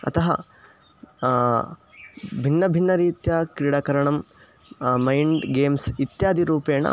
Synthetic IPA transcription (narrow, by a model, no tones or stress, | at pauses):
ɐ̰t̪ɐɦɐ̰ | bʱinːɐbʱinːɐɾiːt̪jaːkɾiɽaːkɐɾɐɳɐm | mɐjɳɖɡeːmsit̪jaːd̪ʱiɾuːpeːɳɐ̰